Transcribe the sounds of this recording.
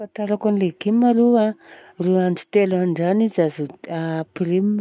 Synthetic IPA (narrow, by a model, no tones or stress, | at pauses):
fat̪aɾakanlekimaluaruaɳɖ͡ʐi̥t̪elanɖ͡ʐanizazoapirim